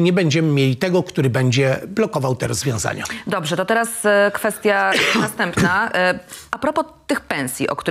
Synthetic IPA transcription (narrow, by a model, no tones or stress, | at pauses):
ɲɛbɛɲd͡ʑɛmɘmʲjelʲit̪ɛɡɔkt̪uɾɘbɛɲd͡ʑɛblɔkɔvawt̪ɛɾɔzvʲjɔ̃w̃za̰ɲa̰d̪ɔbʐɛt̪ɔt̪ɛɾaskfɛst̪ʲjanast̪ɛmpna | ʔapɾɔpɔt̪ɘxpɛ̃w̃sʲjḭʔɔ̰kt̪u